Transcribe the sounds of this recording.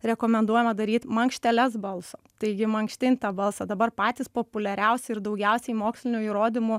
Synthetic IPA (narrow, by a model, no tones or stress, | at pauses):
ɾʲɛkoːmʲɛnd̪uɔjɛmɐd̪ɐɾʲiːt̪mɐŋkʃʲt̪ʲɛlʲɛsbɐlˠsoːt̪ɐɪɡʲɪmɐŋkʃʲt̪ʲɪnʲt̪ɐbɐlˠsɐd̪ɐbɐɾpɑːt̪ʲiːspoːpʊlʲɛɾʲɛʊsʲɛɪɾd̪ɐʊɡʲɛʊsʲɛɪmoːksʲlʲɪnʲuiːɾoːd̪ʲɪmʊ